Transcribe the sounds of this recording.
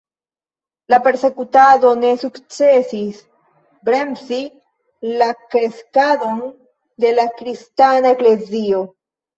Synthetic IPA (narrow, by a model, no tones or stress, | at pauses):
lape̞ɾse̞kutado̞ne̞sukt͡se̞sis | bɾe̞msi | lakɾe̞skado̞n | de̞lakɾistanaekle̞zio̞